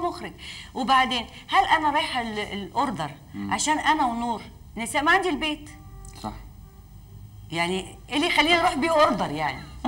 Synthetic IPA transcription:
mʊxɾɪɡwbaʕd̪eːn | hælʔænaɾˤɑjħallʔʊɾd̪ɑɾˤ | ʕaʃæːnʔænæwnuːɾˤ | nɪsæːʔmaʕand̪ilbeːt̪ | sˤɑ̰ħ | jaʕniʔɪlːixælːiːnʔɾˤuːħbiːʔʔʊɾd̪ɑɾˤjaʕni

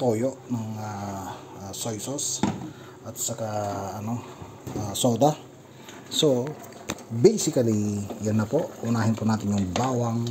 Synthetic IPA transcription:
t̪oːjoʔnɐŋa | sojsos | ʔɐt̪̚sɐkaɐno̞ | ʔaːsoːd̪a | so̞ | bɛjsɪkɐlijonːɐpo̞ʔhʊnaːɦɪnpʊnaːt̪ɪɲjʊŋbaːwɐŋ

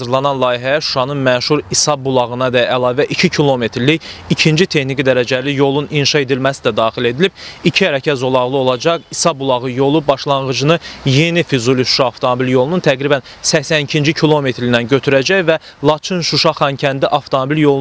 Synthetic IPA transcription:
ɑzɯɾlˠɑnɑnlˠɑːjiɦæjæʃu̥ʃɑnɯnmæʃuɾisɑbbːulˠɑɣɯnɑd̪ɛælˠɑːvæʔicʰicʰilˠo̞me̞t̪ʰɾlijicʰind͡ʒit̪ʰe̞xnikid̪æɾæd͡ʒælijo̞lˠuninʃɑe̞d̪ilmæsid̪æd̪ɑːxile̞d̪ilib̥̚icʰihæɾæcʰæzo̞lˠɑɣlˠɯo̞lˠɑd͡ʒɑqisɑbulˠɑɣɯjo̞lˠubɑʃlˠɑɴʁɯd͡ʒɯnɯje̞nifizuliʃu̥ʃɑːft̪ʰomobiljo̞lˠununt̪ʰæɡɾibæn | sæçsænicʰind͡ʒicʰilˠo̞me̞t̪ɾinænɟø̞t̪ʰyɾæd͡ʒæjvæ | lˠɑt͡ʃʰɯnʃuʃɑχɑncʰænd̪iʔɑft̪ʰo̞mobiljo̞lˠ

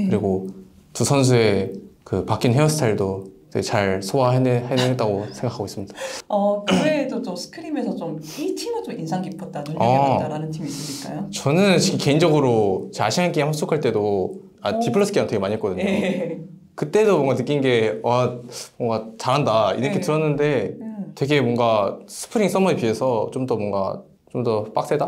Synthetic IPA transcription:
kɯɾiɡo | tusʰʌns̬ʰue̞kɯpak͈inɦeʌsʰɯ̥tʰaiɭdoid͡ʑet͡ɕaɭsʰoaɦenhanɯnɦet͈aɡosʰe̞ŋɡakʰaɡois͈ɯmɲid̥aʌkɯɾedot͡ɕosʰɯ̥kʰɯɾime̞sʰʌt͡ɕomitʰimɯt͡ɕominsʰaŋkipʰʌt̚t͈at͡ɕoʌaɾanɯntʰimiːs͈ɯɲik͈ajot͡ɕʌnɯnt͡ɕikʰike̞ind͡ʑʌɡɯɾot͡ɕeaɕʰinɦank͈eeɸwas͈okʰaɭt͈e̞do | atipʰɯɭːos͈ʰɯ̥k͈eantweɡeaɲiek͈ʌdɯɲo | kɯt͈e̞domwʌŋɡanɯk͈ːinɡe̞amʌŋɡat͡ɕaɾɦandaḭɾʌketɯɾʌnːɯnde̞twe̞ɡe̞mwʌŋɡasʰɯ̥pʰɯɾiŋs͈ʌmʌipie̞sʰʌt͡ɕ͈omdʌmwʌŋɡa̰ | t͡ɕomdʌp͈ak̚s͈eda

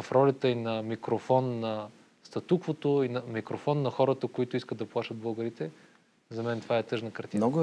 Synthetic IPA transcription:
ɐfɾɔlʲət̪əinɐmikɾofɔnːɐ | st̪ɐt̪ukvot̪oinɐmikɾofɔnːɐxɔɾət̪əkoit̪oiskəd̪ɐplˠaʃəd̪̚bɤlˠɡəɾit̪ɛ | zɐmɛnt̪ovaɛt̪ɤʒnəkɐɾt̪iɡ

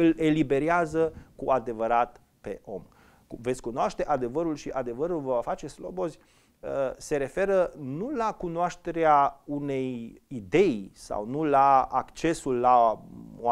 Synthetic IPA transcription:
ɨle̞libe̞ɾeazəkuad̪e̞vəɾat̪ | pe̞̰ʔo̞m | kumvet̪sʲkunoaʃt̪e̞ʔad̪e̞vəɾulʃiʔad̪e̞vəɾulvəvafat͡ʃe̞slo̞bo̞zʲ | əse̞ɾe̞fe̞ɾənulakunoaʃt̪e̞ɾeaune̞jid̪e̞jsa̰wnulaakt͡ʃe̞sulːaoa

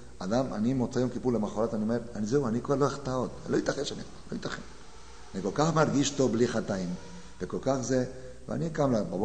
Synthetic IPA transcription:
ad̪amʔa̰nimot͡sajomkipulemaχoɾat̪aniome̞ɾanizeuanikoeloeχt̪aot̪elojit̪aχenʃanit̪alojit̪aχḛʃ | aniko̞lkaχmaɾɡiʃt̪o̞bliχat̪aim | veko̞lkaχze | vḛa̰nikamlababo

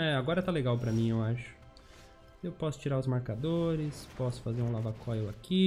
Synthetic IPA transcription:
ɛaɡɔɾɐɛt̪aleɡawpɾɐmĩewaʃʊ̥ | ewpɔsʊ̥t͡ʃiɾaɾʊzmaɾkad̪oɾɪspɔsʊ̥fazeɾũlavakʰɔjʊaki

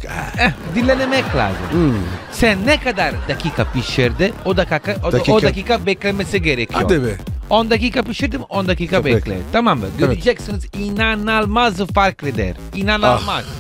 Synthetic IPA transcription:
ɛd̪ilːenɛmɛkla̰ːzṵ | sɛnːɛkad̪aɾd̪akikapiʃɛɾd̪ɪod̪akakaod̪akiːkabɛklemesiɡeɾɛkːjobɛond̪ak̬iːkapiʃɛɾd̪imond̪akiːkabeklḛɾt̪amambɛɡ̪d͡ʒɛksinzinanalmazfaɾkɾɛd̪ɛ̰ɾ | inanamaz

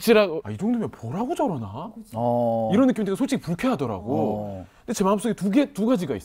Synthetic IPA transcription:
t͡ɕ͈iɾaɡa̰id͡ʑoŋdomjʌnpʌɾaɡod͡ʑʌɾʌna | iɾʌnːɯk͈imind͡ʑekasʰoɭt͡ɕ͈iɡipuɭkʰʌɦadʌɾa̰ɡo | nde̞t͡ɕe̞maɯms͈oɡetuɡe̞tuɡad͡ʑiɡaḭs͈

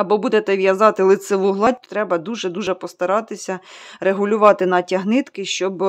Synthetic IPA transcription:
ɐbɔbud̪et̪ɛʋʲjɐzɑt̪ɪlˠɪt̪seʋuɦlˠɑd̚ʲt̪ɾɛbɐd̪uʒɛd̪uʒɛpɔst̪ɐɾɑt̪ɪsʲɐɾeɦʊlʲʊʋɑt̪ɪnɐtʲɐɦnɪt̪kɪʃt͡ʃɔb

